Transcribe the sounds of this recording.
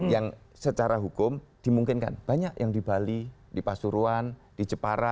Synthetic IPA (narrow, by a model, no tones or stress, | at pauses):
jaŋ | sət͡ʃaɾaɦukʊmd̥i̤muŋkɪnka̰nb̥aɲakjʔaŋdibalidipasuɾuan | d̥id͡ʒəpaɾa